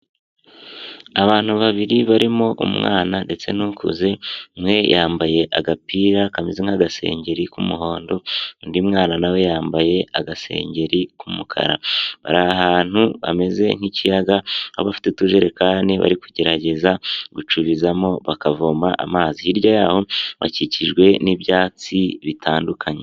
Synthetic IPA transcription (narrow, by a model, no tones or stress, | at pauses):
aβaːn̥huβaβiɾiβaɾimo̞ʔṵmŋa̰ːnande̞t͡se̞nuːŋkṵze̞ŋwe̞jaːmbaje̞ʔaɡapiːɾakamezeŋ̥haɡase̞̰ːɲɟe̞ɾikumuɦo̞ːndo̞ndimŋaːnanawe̞jaːmbaje̞aɡase̞̰ːɲɟe̞ɾikumukʰa̰ɾa̰βa̰ɾaaɦaːn̥huβa̰me̞ze̞ŋ̥icijaɡaa̰βafi̥tetuʒe̞ɾe̞kaːneβa̰ɾikuɟe̞ɾaɟe̞zaɡut͡ʃuβizamo̞βakavoːmbaʔa̰maːzihiɾɟajaːho̞βa̰ciciʒɡwe̞nibjaːt͡siβitʰaːndukʰaɲe